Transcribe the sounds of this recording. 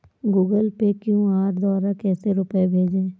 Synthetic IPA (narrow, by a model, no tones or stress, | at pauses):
ɡuːɡəlpekjũːaːɾd̪ɔːɾakɛːseɾʊpebʱeːd͡ʒẽː